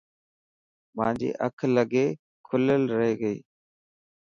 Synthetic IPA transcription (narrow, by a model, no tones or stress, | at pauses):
mã̰ːnd͡ʒḛːʔə̰kʰləɡeː | kʰʊləlɾəɦeːɡəiː